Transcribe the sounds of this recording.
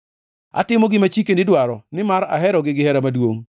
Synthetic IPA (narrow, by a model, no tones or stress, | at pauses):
a̰tɪmoɡɪmat͡ʃikenɪdwaɾɔnɪmaɾa̰ɦɛɾɔɡɪɡɪhɛɾamadwoŋ